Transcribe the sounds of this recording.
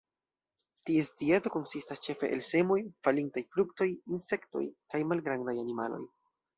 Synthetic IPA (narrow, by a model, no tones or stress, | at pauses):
tie̞stieto̞ko̞nsistast͡ʃe̞fe̞ʔḛlse̞mo̞jfalintajfɾukto̞jinse̞kto̞̰jkajmalɡɾandajanimalo̞̰j